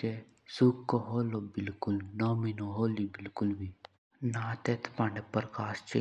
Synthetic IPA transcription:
e | sukːoɦoːlobɪlkulnɔminoɦoːlibilkulbʱi | naːt̪et̪ʰpãɳepəɾkaːst͡ʃe

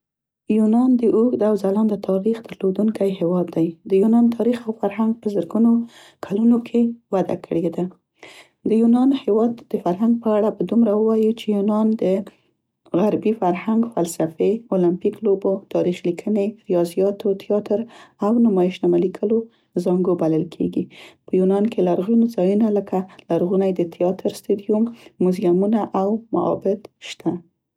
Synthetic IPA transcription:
junɑnd̪əʔuɡd̪awzalɑnd̪ət̪ʰɑɾixd̪əɾlod̪uŋkajɦewɑd̪ːajd̪əjunɑnt̪ʰɑɾixawfaɾɦaŋɡ̚pəzəɾɡuno | kʰalunokʰewad̪a̰kʰəɽed̪a | d̪əjunɑnhewɑd̪ːəfaɾɦaŋɡ̚pəaɽapəd̪umɾawəwɑjit͡ʃejunɑnd̪ə | ɣaɾbifaɾhaŋɡfalsafeolampiklobot̪ɑɾixlikʰəneɾijɑzijɑt̪ot̪ʰijɑt̪əɾawnʊmɑjɪʃnamalikʰəlo | zɑŋɡobaləlkʰḛɡipəjunɑnkelaɾɣunozɑjunaləkʰalaɾɣunajd̪ət̪ʰɪjɑt̪əɾst̪ud̪ijumːʊzjamunaʔawma̰ɑ̰bɪt̪ʃt̪ʰa

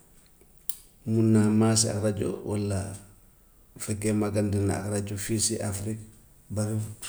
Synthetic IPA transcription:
munːamaːs̬ia̰kɾaɟo̰wa̰lːa̰ | fɛkːemaɡandina̰a̰kraɟofisiʔafɾik | bafi

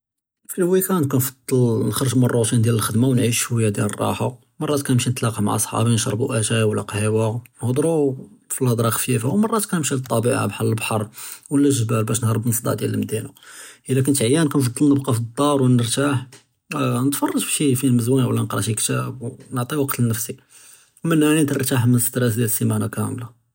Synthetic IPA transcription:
filwikænkænfɑd̪ˤːɑlnxɑɾˤəʒmərˤːot̪ind̪jæləlxəd̪mawnʕiʃwəjːæd̪jælərˤːɑ̰ħa | mɑrˤːɑt̪kænəmʃinət̪lɑqɑma̰ʕsˤħɑ̰binʃɾˤbuʔæʒæwəlːæqhiwænhd̪ˤɾufilɑd̪ˤɾˤɑxfifawmɑrˤːɑt̪kænəmʃilt̪ˤːɑbiʕa̰bħɑləlbħɑɾˤwəlːæʒbælbæʃnhɾˤəbnəsˤd̪ˤɑ̰ʕd̪jæləlməd̪inuʔəlːæk̬ənt̪ʕjːænkænfɑd̪ˤːəlnəbqɑfəd̪ˤːɑɾˤwənːəɾt̪aħ | nət̪fɑrˤːɑʒbʃifilməzwænwəlːænəqɾˤɑ̰ʃjəkt̪æbnəʕt̪ˤiwɑqt̪ənːəfsi | wmənːaʕnint̪ɾt̪aħmənəsə̥t̪ɾæs̬d̪jæləsːimænakæmla

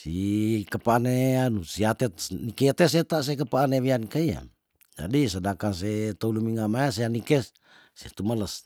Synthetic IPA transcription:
sikəpaneanusiat̪enikeat̪es̬et̪as̬ekəpaːneβiankaia̰ | d͡ʒa̰dis̬ədakans̬et̪oulumiŋamaes̬eanike | sḛt̪umələs

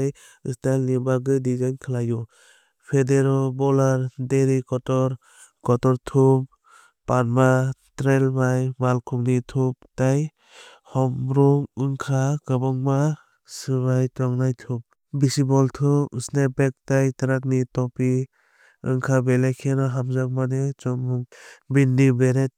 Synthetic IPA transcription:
j | ɯstalnibaɡɯdizajnkʰalaju | pʰedeɾɔlbɔlaɾdeɾikɔtɔɾ | kɔtɔɾtʰup̚ | panmatɾelbajmalkʰuknitʰup̚taj | hɔmɾɔŋɯŋkʰakabɔŋma | sɯbajtɔŋnajtʰup̚ | bisibɔltʰupːsnebek̚tajtaɾak̚nitɔpi | ɯ̰ŋkʰabelajkʰenɔɦamzak̚manet͡ʃɔmuŋbindibeɾet̚

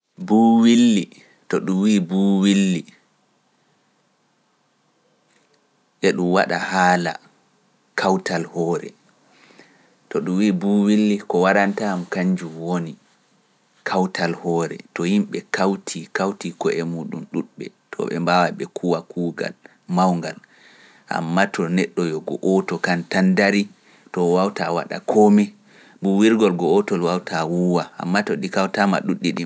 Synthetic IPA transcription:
buːwilːi | tɔɗumwiːbuwilːi | ʔɛɗumwaɗahaːla̰ | kʰawtalhɔːɾɛ̰ | tɔɗumwiːbuːwilːikɔwaɗantamkaɲd͡ʒumwoni | kʰawtalhɔːɾɛ̰tɔhimɓɛkawtʰikawtikɔʔɛmuɗumɗuɗɓɛ̰ | tʰɔ̰ɓɛ̰mbawaɓɛkʰuwakʰuːɡa̰l | mawŋɡal | ʔa̰mːatʰɔnɛɗːɔjɔɡɔ̰ʔɔtɔkantandaɾi | tɔwawtawa̰ɗa̰kʰɔmɛ | buwiɾɡɔlɡɔɔtɔlwawtʰawuwaʔa̰mːatɔɗikawtama̰ɗuɗːiɗi

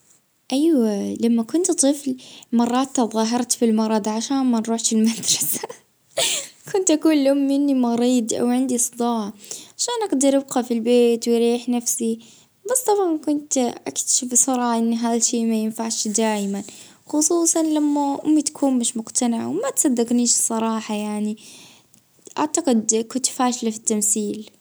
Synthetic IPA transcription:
ʔajwalamːakʊnt̪t̪ˤɨflmɑrˤːɑːt̪ːɑðˤɑːɦɑɾˤt̪filmɑɾˤɑd̪ˤʕaʃaːnmanɾˤuːħʃɪlmad̪ɾˤɑsa | kʰʊnt̪ʔakuːnlʔʊmːɪnːimɑɾiːd̪ˤʔa̰wʕɪnd̪isˤɨd̪ɑːʕʕaʃaːnʔaɡd̪ɑɾˤʔɪb̚qɑfilbeːt̪wjɾiːħnafsi | basːt̪ˤɑbʕɑnkʊnt̪ʔa̰kt̪ḁʃabɪsˤɑɾˤɑːʕʔɪnːɦaːðalʃeːʔmajɪnfaʕʃd̪aːjman | xʊsˤuːsˤɑnlamːaʔʊ̰mːit̪ḁkʰuːnmɪʃmʊqt̪anɪʕwmat̪sˤɑd̪ːɪɡniːʃsˤɑɾˤɑːħɑjaʕni | ʔaʕt̪aqɪd̪kʊnt̪faːʃlafi̥t̪ːamsiːl

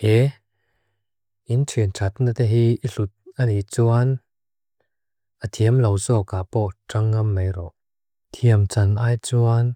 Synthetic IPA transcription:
hɛ | ʔintʰintʰɐt̪̚nat̪ɛɦiʔiɬut̪̚ənit͡suan | ʔət̪ʰiəmlowzɔkaːpɔʈ͡ʂaŋːɐmːejrɔʔ | t̪ʰiəmt͡sɐnʔaːjt͡suan

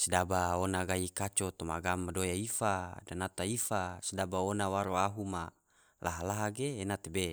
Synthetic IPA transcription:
sidabaonaɡaikat͡ʃot̪oma̰ɡamadojaifadanat̪aifasidabaonawaɾoaɦuma | laɦalaɦaɡeːnat̪ebe

